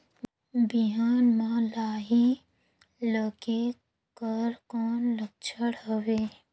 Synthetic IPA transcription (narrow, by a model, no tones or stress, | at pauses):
biɦaːnmãlaːɦi | ləɡe | kəɾkɔːnlək̚t͡ʃʰəɽɦəweː